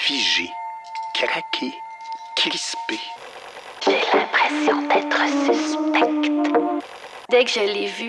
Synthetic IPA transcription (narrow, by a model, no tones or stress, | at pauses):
fiʒḛkʁakʲʰe | kʁispe | ʒ̥elɛ̃pχesjɔ̃d̪ɛːt̪χəsyspɛkt̪ | d̪ɛkʒəlevy